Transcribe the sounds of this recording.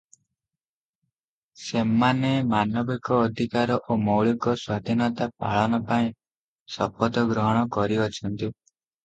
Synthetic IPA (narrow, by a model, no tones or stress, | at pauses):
semanemanɔbikɔːd̪ʱikaɾɔʔomɔwɭikɔswad̪ʱinɔt̪apa̰ɭɔnɔpaĩ | sɔpɔd̪ʱɔɡɾɔɦɔɽ̃ɔkɔɾiɔt͡ʃʰɔnt̪i